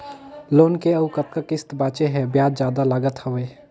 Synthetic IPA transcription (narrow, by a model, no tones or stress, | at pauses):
loːnkeɐukəp̪̚kakɪst̪baːt͡ʃeɦɛbjaːd͡ʒ̪d͡ʒjaːd̪alaːɡət̪həʋeː